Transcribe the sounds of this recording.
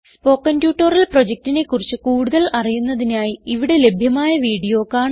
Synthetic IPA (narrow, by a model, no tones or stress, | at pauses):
spo̞ːkːɐnbjuːʈːorɐlpro̞d͡ʑek̚tine̞kːurit͡ɕːɨkuːɽuðɐlɐrijunːɐðinaːjiiʋiɽe̞le̞bʱjɐmaːjɐʋiːɽijo̞ːkːaːɳ